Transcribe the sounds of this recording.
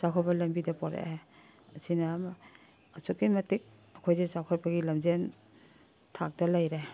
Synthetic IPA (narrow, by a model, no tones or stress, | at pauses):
sakʰɔbɐlɐmbidɐpɔɾḛe | ɐsinɐmaː | sukimɐtik̚ | ɐkʰojzezawkʰɔt̚bɐɡilɐmzen | tʰak̚dɐlajɾe